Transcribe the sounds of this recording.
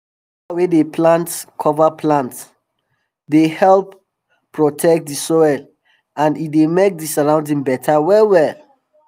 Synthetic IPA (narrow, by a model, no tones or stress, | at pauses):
awedepʰlãntkʰɔvaplãnts | dehɛlp | pːɹɔtʰɛk̚t̚disɔɛl | ãnitdemek̚disaɹãʊ̃ndĩŋbɛtʰawɛwɛl